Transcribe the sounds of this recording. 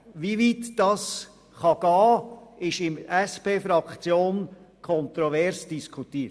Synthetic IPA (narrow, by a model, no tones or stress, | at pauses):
ʋiʋiːtd̥ɑːs | χɑɡ̥ɑːɪʃɪmɛspeːfɾɑkt͡sjoːnkʰɔntɾɔvɛɾsd̥iskʰutiː